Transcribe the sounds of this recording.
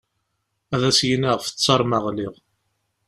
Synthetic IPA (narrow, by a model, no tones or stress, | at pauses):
æðæsjinæʁfə̥t͡sːɑɾˤməʁliʁ